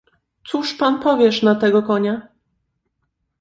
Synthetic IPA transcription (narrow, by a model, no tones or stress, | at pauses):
t̪suʂpanpɔvʲjɛʂnat̪ɛɡɔkɔɲa